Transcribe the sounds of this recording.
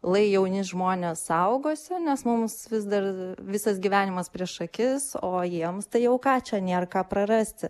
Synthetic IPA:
lˠɐɪjɛʊnʲɪsʒmoːnʲeːsɐʊɡoːsʲɪnʲɛsmʊmsʋʲɪzd̪ɐrʋʲɪsɐsɡʲiʋʲæːnʲɪmɐspʲɾʲiɛʃʃɐkʲɪsoːjiɛmst̪ɐɪjɛʊkɑːt͡ʃʲɛnʲeːrkɑːpɾɐɾɐsʲt̪ʲɪ

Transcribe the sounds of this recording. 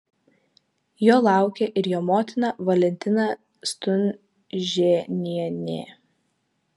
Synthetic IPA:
joːlˠɑˑʊkʲeʔɪɾjoːmoːt̪ʲɪnɐʋɐlʲɛnʲt̪ʲɪnɑ | st̪ʊnʲ | ʒʲeːnʲiɛnʲḛː

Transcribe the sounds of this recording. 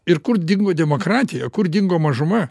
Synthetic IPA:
ɪɾkʊɾd̪ʲɪŋɡoːd̪ʲɛmoːkɾɑːt̪ʲɪjɛkʊɾd̪ʲɪŋɡoːmɐʒʊmɐ

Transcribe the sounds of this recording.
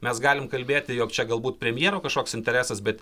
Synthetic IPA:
mʲɛsɡɑːlʲɪmkɐlʲbʲeːt̪ʲɪjoːkt͡ʃʲɛɡɐlˠbuːt̪pʲɾʲɛmʲjeɛɾoːkɐʃkoːksɪnʲt̪ʲɛɾʲæːsɐsbʲɛt̪

